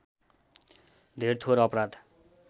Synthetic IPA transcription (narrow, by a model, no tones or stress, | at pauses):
d̪ʱeɾt̪ʰoɾʌpɾad̪